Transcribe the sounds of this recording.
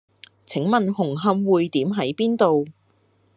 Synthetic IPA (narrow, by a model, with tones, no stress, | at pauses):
t͡sʰɪ˨˥ŋmɐ˨nɦʊ˨˩ŋɦɐ˧mwuː˨˧jt̪iː˨˥mɦɐ˨˥jpiː˥nt̪o˨w